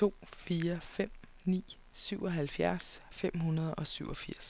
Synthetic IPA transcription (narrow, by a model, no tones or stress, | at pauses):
t͡sʰo̝̰ːfiːɐfem̰ | nḭː | syʊɒ̽ɦælfjæɐsfem̰ɦunɐð̞̩ˠɒ̽syʊ̰ɒ̽fiɐ̰s